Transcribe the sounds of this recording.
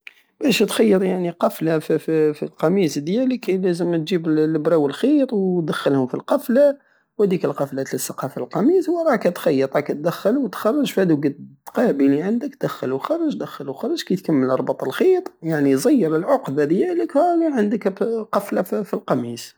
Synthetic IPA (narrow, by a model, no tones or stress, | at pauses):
bæʃt̪xɑjːəɾˤjaʕniqɑflaffifilqɑmisd̪jæləklæzəmt̪ʒiblbɾɑwəlxiɾwd̪æxːəlhʊmfilqɑfla | whæd̪ikəlqɑflæt̪ləsːɑqɑfalqɑmiswɾˤɑkæt̪xɑjːəɾˤɾˤɑkæt̪̚d̪əxːəlwət̪xɑrˤːɑʒfhæd̪uɡəd̪qɑbiliʕənd̪əkd̪æxːəlwxɑrˤːɑʒd̪əxːəlwxɑɾˤːɑʒkæjt̪kæmːəlʔɑɾˤbɑt̪ˤɑlxiɾjaʕnizˤɑjːəɾəlʕoqd̪ad̪jæləklʕənd̪əkqɑflaffilqɑmis